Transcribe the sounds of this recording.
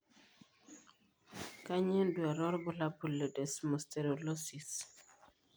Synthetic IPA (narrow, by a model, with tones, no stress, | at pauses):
ka˦ɲɛ˦ndu˨a˨ɾɔ˦ɾbʊ˦la˦pu˨lːe˨dɛ˨smɔ˨ste˨ɾo˨lɔ˦si˨s